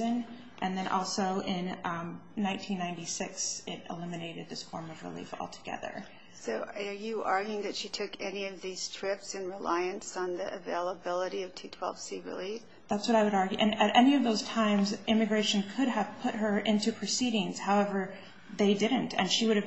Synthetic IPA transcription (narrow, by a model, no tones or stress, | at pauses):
ɨ̃n | ʔɨ̃nðɨ̃ñʔɔ̰lˠsoʊʔɪ̃nnãɪ̃ntʰĩnːãɪ̃ntisɪksɪɾɨ̰lɪ̃mɨneɪɾɨd̪̚ðɪsfɔ̰ɹmʌvɹḭlḭfɔ̰lˠtʰə̥ɡ̥ɛ̰ðə̰˞ | soʊə˞jɨʔɑɹɡjɪ̃ŋðɨtʃitʰʊkʰɛniʌvðiz̥tʰɹ̥ɪpsɨ̃nɹila̰ɪɨ̃nsn̩ðḭʔɨ̰veɪlˠəbɪlˠəɾiʌv̥tʰitʰw̥ɛ̰lˠv̥siɹɨ̰lif | ðætswʌɾaɪwɨɾɑɹɡjʉʔɨ̃nɨɾʔɛniʌvðoʊz̥tʰãɪ̃mzʔɪ̃mɨɡɹeɪʃɨ̃n̩kʰʊɾəv̥pʰʊt̚ɦə˞ʔɪ̃ntʉpʰɹ̥ɨsiɾɪ̃ŋz̥haʊɛvə˞ | ðeɪdɪdⁿn̩tʰɨ̰̃nʃiwʊɾɨv